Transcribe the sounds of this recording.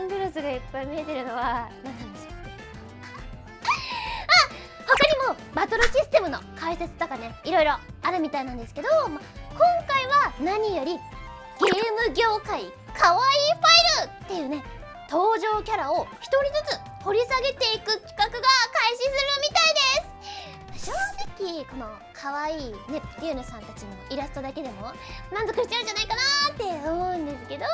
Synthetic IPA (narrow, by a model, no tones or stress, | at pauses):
nd̪ɯɾɯsɨɡaipːaimʲie̞t̪e̞ɾɯ̟no̞βanãnːãnd̪esɨ | a | ho̞kaɲ̟imo̞ | bat̪o̞ɾoɕisɨ̥t̪e̞mɯ̟no̞kaise̞t͡sɨ̥t̪o̞kane̞iɾo̞iɾo̞aɾɯ̟mʲit̪ainãnd̪e̞sɨ̥ke̞d̪omakõ̞ŋkaiβanaɲ̟ijo̞ɾʲi | ɡ̥e̞ːmɯ̟ɡʲo̞ːkai | kʰaβaiːɸaiɾɯt̪ːe̞jɯ̟ːne̞ | t̪o̞ːʑo̞ːkʲaɾao̞çi̥t̪o̞ɾʲizɨt͡sɨ | ho̞ɾʲisaɡe̞t̪e̞ikɯ̟kʲi̥kakɯ̟ɡakaiɕisɨɾɯnomʲit̪aid̪e̞sɨ̥ | aɕo̞ːzekʲiko̞no̞ | kʰaβaiːne̞iɯ̟nosãnt̪at͡ɕiɲiiɾasɨ̥t̪o̞d̪ake̞d̪e̞mo̞mãnzo̞kɯ̟ɕi̥t͡ɕaɯ̟ɲd͡ʒanaikanat̪ːe̞omo̞ɯ̟̃nd̪e̞sɨ̥ke̞d̪o̞